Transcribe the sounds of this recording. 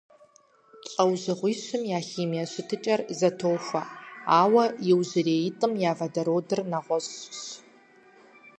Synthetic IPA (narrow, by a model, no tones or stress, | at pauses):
t͡ʃʼɐwzɨʁʷiːɕɨmjaːχiːmiɐɕɪtʰɨt͡ʃʼɐrizɐtʰoːxʷɐaːwɐjɪwzɨreːjɪtʼɨmjaːvɐdɐɾoːdɨrnaʁʷɔɕɕ